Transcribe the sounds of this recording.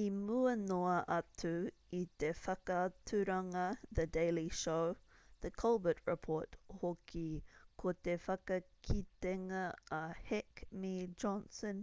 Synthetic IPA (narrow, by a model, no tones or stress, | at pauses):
imuənoɐʔɐtʰu | it̪efɐkətʰuɾɐŋɐðədeɪliʃowðəkʰɐlˠbət̚ɹɪpʰoɹthokikʰot̪efɐkɐkʰiteŋɐhɛkmid͡ʒɔnsə̃n